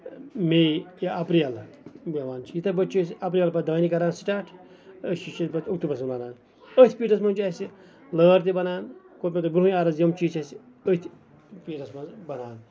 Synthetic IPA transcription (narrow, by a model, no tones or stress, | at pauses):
mejɐpɾijɐlbɐʋaːnt͡ʃʰijit̪ʰɐbɐt͡ʃʰisiɐp̬ɾijɐlpɐd̪aːnikɐɾaːnsi̥ʈaːʈʰ | ət͡ʃit͡ʃɐbɐt̪ʰʲukt̪ubɐs̬mlɐnaːn | ət̪ʰʲpiːʈɐs̬mɐnt͡ʃʰɐsi | ləːɾt̪̬ibɐnaːnkopʲet̪ɐbɾuũjaːɾɐzjɐmt͡ʃʰiːt͡ʃʰɐsi | ət̪ʰʲ | piːʈɐsmɐ̃nzbɐnaːn